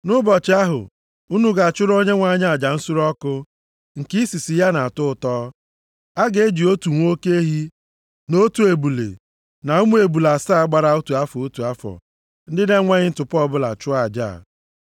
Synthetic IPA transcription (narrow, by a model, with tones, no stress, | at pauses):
nʊ˦bɔ˨t͡ʃɪ˨˦a˦ɦʊ̰˨ | u˦nu˦ɡa˨a˨t͡ʃʊ˦ɾo˦ɲe˦ŋʷa˦˨ɲa˦a˨d͡ʒa˨n̩˦su˦ɾɔ˦kʊ˦ | ŋ̩˨ki˦i˦si˨si˨ja˦na˨tʊ˦ʊ˨tɔː˦ | a˦ɡe˨˦d͡ʒi˨o˦tu˨ŋʷ˦o˦ke˦e˦ɦi˦ | no˦tu˨e˨bu˨lḛ˨ | na˨u˦mu˦e˨bu˨la˨saː˦a˦ɡ͡ba˨ɾa˦u˦tu˨a˦fɔ˨o˦tu˨a˦fɔ̰˨ | n̩˦dɪ˦de˦ŋʷa˦ɲɪ˦n̩˦tʊ˨pɔ˦˨bʊ˦la̰˨t͡ʃʊ˦a˨d͡ʒa̰ː˦˨